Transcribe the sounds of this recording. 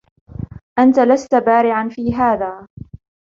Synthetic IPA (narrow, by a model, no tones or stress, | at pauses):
ʔant̪alast̪abaːɾɪʕanfiːɦaːðaː